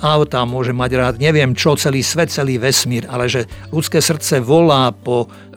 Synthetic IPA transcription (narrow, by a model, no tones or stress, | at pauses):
aʊt̪amʊɔʒɛmaɟɾaːd̪ɲɛʋɪɛmt͡ʃɔt͡sɛliːsʋɛt̪̚t͡sɛliːʋɛsmiːɾalɛʒɛlut͡skɛːsr̩t̪t͡sɛʋɔlaːpɔ